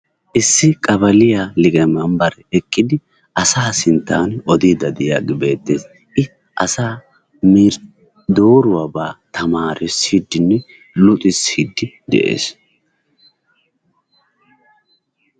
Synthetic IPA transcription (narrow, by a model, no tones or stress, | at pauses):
ʔɪsːɪkʼɐbɐlɪjalɪɡɛmɐmbɐɾɛɛkʼːɪd̪ɪ | ɐsaːsɪnt̪ːaːnɔd̪iːd̪ɐd̪ɛjaɡɪbe̞ːt̪ːeːs | ʔɪ | ʔɐsaː | miɾ | d̪oːɾʊwabaːt̪ʰɐmaːɾɪsiːd̪ːɪnːɛ | lʊt̪ʼɪshiːd̪ːɪ | d̪ɛ̰ʔḛːs